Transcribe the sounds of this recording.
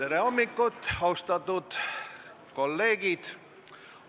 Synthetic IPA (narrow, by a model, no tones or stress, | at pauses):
eɾeo̞mːikːˑut̪ːˑɑwst̪ɑt̪ːˑut̪ | ko̞lːe̞ːɡ̥id̪̥